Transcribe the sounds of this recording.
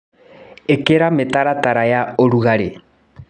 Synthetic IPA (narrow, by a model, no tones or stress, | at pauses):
ekeɾametaɾataɾajaoɾuɣaɾe